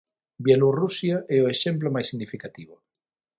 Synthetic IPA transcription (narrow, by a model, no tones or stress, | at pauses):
bjelurusjaʔɛʊeʃɛmplomajsiɣnifikat̪iβʊ